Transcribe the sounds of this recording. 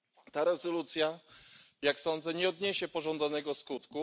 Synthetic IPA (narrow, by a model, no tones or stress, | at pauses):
t̪aɾɛzɔlut̪sʲja | jaksɔnd̪zɛɲɛɔd̪ɲeɕɛpɔʐɔnd̪anɛɡɔskut̪ku